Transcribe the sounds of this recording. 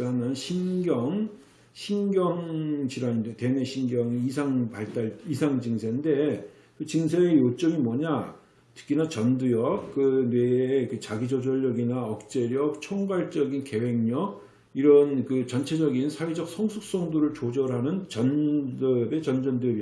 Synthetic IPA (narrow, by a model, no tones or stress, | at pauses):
anɯnɕʰinɡjʌŋ | ɕʰinɡjʌŋt͡ɕiɾaɲindete̞ne̞ɕʰinɡjʌŋisʰaŋpaɭt͈aɭisʰaŋd͡ʑiŋsʰeɲnde̞ | kɯt͡ɕiŋsʰeejot͡ɕ͈ʌŋimwʌɲa | tɯ̥k͈inat͡ɕʌndujʌk̚k͈ɯnwe̞ːkɯt͡ɕaɡid͡ʑod͡ʑʌʎːʌɡinaʌk̚t͡ɕ͈e̞ɾjʌk̚t͡ɕʰoŋɡwaɭt͡ɕ͈ʌɡinke̞we̞ŋɲʌk̚ | iɾʌnkɯt͡ɕʌnt͡ɕʰe̞d͡ʑʌɡinsʰaɥid͡ʑʌk̚sʰʌŋsʰuk̚s͈ʌŋdoɾɯɭt͡ɕod͡ʑʌɾɦanɯnt͡ɕʌndʌbe̞t͡ɕʌnd͡ʑʌndujʌbi